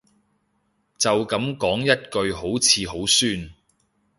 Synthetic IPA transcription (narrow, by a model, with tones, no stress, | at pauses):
t͡sɐ˨wkɐ˨˥mkɔː˨˥ŋjɐ˥t̚kɵ˧ɥɦo˨˥wt͡sʰiː˨˧ɦo˨˥wsyː˥n